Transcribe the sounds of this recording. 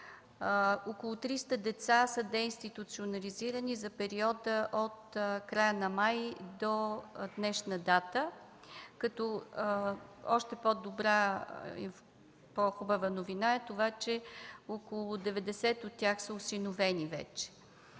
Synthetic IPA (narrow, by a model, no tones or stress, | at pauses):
okolˠʊt̪ɾist̪əd̪ɛt̪sasəd̪ɛinst̪it̪ut̪sionɐliziɾənizɐpɛɾiɔd̪əʔot̪kɾajənɐmajd̪ɔd̪nɛʃnəd̪at̪ə | kɐt̪ɔ | ɔʃt̪ɛpod̪obɾaḭ | poxobəvənovinaɛt̪ovat͡ʃɛokolˠʊd̪ɛvɛd̪ɛsɛt̪ot̪ːʲjaxsəosinovɛnivɛ̰t͡ʃɛ̥